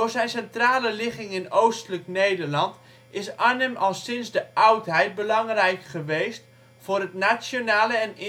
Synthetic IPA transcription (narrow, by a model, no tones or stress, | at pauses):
dʊːɹzɛjnsɛntraːləlɪχɪŋɪnowstələknejdərlɑnt | ʔɪsanəmɑlˠsɪnsdəʔawtɦɛjt̚bəlɑŋrɛjkχəʋejst | fʊːrətnat͡sjonaːləɛnɪ